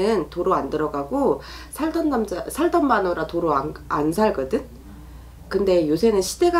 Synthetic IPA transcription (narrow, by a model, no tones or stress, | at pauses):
ɯntoɾoandɯɾʌɡaɡo | sʰaɭdʌnmsʰaɭdʌmbanoɾatoɾoaansʰaɭɡʌdɯn | kɯnde̞josʰe̞nɯnɕʰi̥de̞ɡa